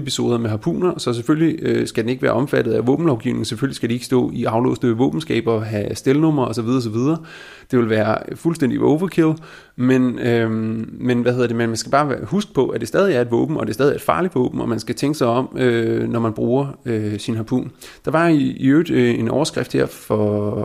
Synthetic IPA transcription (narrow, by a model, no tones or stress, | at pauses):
epʰiso̝ːðˠɐmeɦɑpʰṵːnɐsɒ̽s̬efølliøsɡ̥æd̥ene̝ɡ̥ʋæːɐʔɒ̽mfæd̥ð̩ˠæʋɔ̰̽ːb̥n̩lɒʊɡ̥iʊne̝ŋ̩sefølisɡ̥æɾ̥ie̝ɡ̥sd̥ɔ̰̽ːiʔɑ̈ʊlɔ̰ːsd̥əʋɔ̽ːb̥n̩sɡ̥ɛ̰ːb̥ɒ̽ɦæsd̥elənɔ̽m̰ɐɒsɒʋið̞ˠɐɒs̬ɒ̽ʋið̞ˠɐ | d̥e̝ʋe̝lʋæːɐfulsd̥en̰d̥iɔ̰ːʋɐkʰel | menømenʋæhe̝ðˠɐd̥e̝mænmænsɡ̥æb̥ɑ̈ːhusɡ̥ə̥pʰɒ̽ʔæd̥e̝sd̥ɛːð̞ˠiæɐe̝d̥ʋɔ̰̽ːb̥n̩ɒ̽d̥e̝sdɛːðˠiɐed̥fɑ̈ːlid̥ʋɔ̰̽ːb̥n̩ɒ̽mænsɡ̥æt͡sʰeŋɡ̥əsɑ̈ɪɒ̽m̰ønɒmænb̥ʁuːɐøsinɦɑpʰṵːn | d̥ɑ̈ʋɑ̈iːøːd̥e̝nɒʊɐsɡ̥ʁɛfd̥heɐ̰fɒ̽